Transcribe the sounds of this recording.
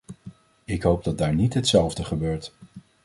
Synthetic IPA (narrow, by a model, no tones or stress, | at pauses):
ɪkɦowb̚dɑt̚daːɹnitɦətsɛlˠvdəχəbøːɹt